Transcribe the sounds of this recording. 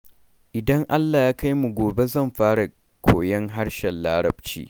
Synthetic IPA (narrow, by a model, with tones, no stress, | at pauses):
ʔɪ˨dɐ˦ŋʔa˦lːaː˨jaː˦ka˦jmu˨ɡʷoː˨be˦zɐ˦˨mɸaː˦ɽa˨ | kʷʰo̰ː˨jɐ˦ŋɦa˦ɽʃɛ˨nlaː˦ɽɐ̰˨bt͡ʃḭː˦